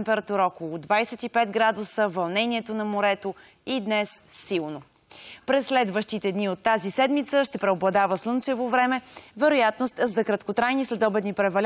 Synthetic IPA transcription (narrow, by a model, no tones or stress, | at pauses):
mpɛɾɐt̪uɾəɔkolˠod̪vajsɛt̪ipɛd̪ɡɾad̪ʊsəvɐlˠnɛniɛt̪onɐmoɾɛt̪o | id̪nɛsːilˠno | pɾɛsːlɛd̪vəʃt̪it̪ɛd̪niot̪ːazisɛd̪mit̪səʃt̪ɛpɾɛoblˠɐd̪avəslˠɤnt͡ʃɛvovɾɛmɛvɛɾojat̪nost̪zɐkɾɐt̪kot̪ɾajnislɛd̪ɔbɛnipɾɛvɐlʲ